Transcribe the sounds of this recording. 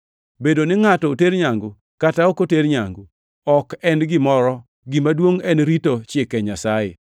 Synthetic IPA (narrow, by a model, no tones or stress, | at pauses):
bedonɪŋatɔoteɾɲaŋɡʊ | kataokoteɾɲaŋɡu | ɔkɛnɡɪmɔɾɔ | ɡɪmadwoŋɛnɾitot͡ʃɪkɛɲasajḛ